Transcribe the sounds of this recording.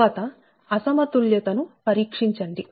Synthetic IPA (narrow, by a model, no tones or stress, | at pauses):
aːt̪ɐ | ɐsɐmɐt̪uljɐt̪ɐnupɐɾiːkʂiɲt͡ʃɐɳɖi